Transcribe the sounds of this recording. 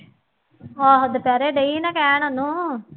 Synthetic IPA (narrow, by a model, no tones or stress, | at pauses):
aːɦd̪əpjaːɾeːɖeinãːkɛːɳ̃onũː